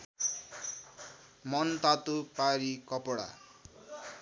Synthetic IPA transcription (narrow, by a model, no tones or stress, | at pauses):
mʌnt̪at̪upaɾikʌpɔɽa̰